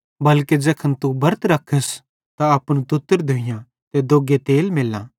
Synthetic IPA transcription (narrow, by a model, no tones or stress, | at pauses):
bɐlked͡ʒɛːkʰənt̪ubɐɾt̪ɾɐkʰːəs | t̪aɐpñut̪ʊt̪ːəɾd̪oːɪjã | t̪ed̪oːɡet̪eːlmeːlːã̰ː